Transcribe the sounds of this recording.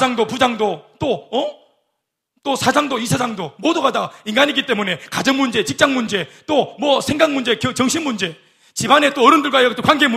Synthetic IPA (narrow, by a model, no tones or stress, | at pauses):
d͡ʑaŋdopud͡ʑaŋdot͈oʌ | t͈osʰad͡ʑaŋdoisʰad͡ʑaŋdomoduɡadainɡaɲiɡit͈e̞mune̞kad͡ʑʌŋmund͡ʑe̞t͡ɕik̚t͡ɕ͈aŋmund͡ʑe̞t͈omwʌsʰe̞ŋɡaŋmund͡ʑe̞kʌt͡ɕʌŋɕʰinmund͡ʑe̞ | t͡ɕibane̞t͈oʌɾɯndɯɭɡwaiʌt͈okwanɡe̞mu